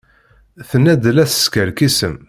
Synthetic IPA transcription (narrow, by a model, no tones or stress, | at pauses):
θənæd̪əlæsə̥skəɾkisəm